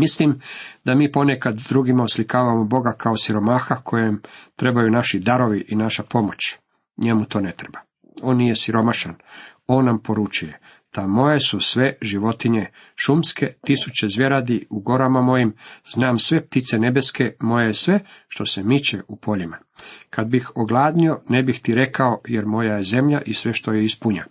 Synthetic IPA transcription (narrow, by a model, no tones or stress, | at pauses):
mislimd̪amiːpo̞ne̞kad̪ːɾuːɡimaoslikaːʋamobo̞ɡakʰaosiɾo̞maːxakʰo̞jemt̪ɾe̞bajunaʃid̪aɾo̞ʋiʔinaʃapo̞mo̞t͡ɕ | ɲemut̪o̞ːne̞t̪ɾeba | o̞ːnːije̞siɾo̞maʃano̞ːnːampo̞ɾut͡ʃuje̞ | t̪amo̞jesusʋe̞ʒiʋo̞t̪iɲe̞ | ʃumske̞t̪isut͡ɕezʋjeɾad̪iuɡo̞ɾamamo̞jimz̥naːmsʋe̞p̚t̪it̪se̞ne̞be̞ske̞mo̞jesʋe̞ʃt̪o̞semit͡ɕeʔupʰo̞ʎima | kad̪̚bixoɡlˠaːd̪nio̞ne̞bixt̪iɾe̞kao̞jeɾmo̞jajeze̞mʎaʔisʋe̞ʃt̪o̞jeispuɲa